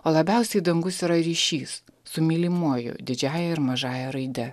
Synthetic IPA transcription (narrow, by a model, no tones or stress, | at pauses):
oːlˠɐbʲɛˑʊsʲɛɪd̪ɐŋɡʊsiɾɐɾʲiːʃʲiːssʊmʲiːlʲimuɔjʊ̰d̪ʲɪd͡ʒʲæːjɛɪɾmɐʒɑːjɛɾɐɪd̪ʲɛ